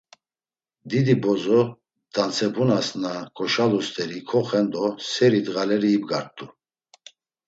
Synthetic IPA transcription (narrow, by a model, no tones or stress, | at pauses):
d̪id̪ibɔzɔ | d̪̥ant͡sʰɛbʰunasnakʼɔʃalust̪ʼɛɾikʰɔχɛnd̪ɔsɛɾid̪ɣalɛɾiːbɡaɾt̪ʼu